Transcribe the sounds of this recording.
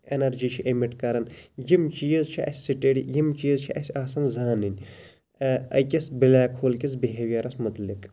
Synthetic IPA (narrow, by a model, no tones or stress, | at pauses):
enɐɾd͡ʒit͡ʃʰiʔemiʈkɐɾɐnjimt͡ʃijzt͡ʃʰiʔɐ̰sʲsiʈeɽijimt͡ʃiːzt͡ʃʰiɐ̰sʲaːsɐnzaːninʲ | ɐkʲisbilʲaːkʰoːlkʲis̬biɦeʋjɐɾɐsmut̪lik